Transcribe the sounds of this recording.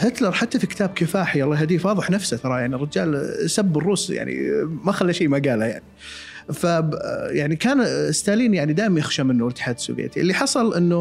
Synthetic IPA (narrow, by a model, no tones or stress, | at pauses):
hɪt̪lɑɾˤħat̪ːafikɪ̥t̪aːb̚kɪfaːħijwɑlːɑːɦad̪iːfwɑːðˤɨħnafsat̪ɑɾˤɑjaʕnirˤːɪd͡ʒaːlsabːɪrˤːuːsja̰ʕnḭmaxalːaʃiːmaɡaːlaja̰ʕni | fajaʕnikaːnɪst̪aːliːnjaʕnid̪aːʔmanjɪxʃamɪnːʊɪlt̪ːɪ̥ħaːd̪sʊ̰ːvjḛːt̪iʔɪlːiħɑsˤɑlʔɪnːʊ